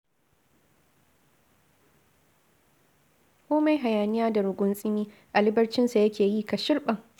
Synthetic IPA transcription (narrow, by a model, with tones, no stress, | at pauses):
kʷoː˦ma˨jɦa˨jaː˨nɪ˦jaː˦da˨ɽʊ˨ɡʷʊ˦nsʼɪ˦miː˦ | ʔa˨lɪ˦bɐ˦rt͡ʃɪ˦nsa˨jɐ˦kʲʰeː˨jiː˦ka˨ʃɪ˦rɓɐ˨ŋ